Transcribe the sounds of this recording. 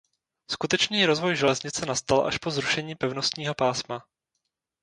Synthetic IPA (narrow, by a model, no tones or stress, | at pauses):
skut̪ɛt͡ʃniːɾo̞zvo̞jʒɛɛzɲɪt͡sɛnast̪alʔa̰ʃpo̞zɾuʃɛɲiːpɛvno̞st̪ɲiːɦo̞paːsma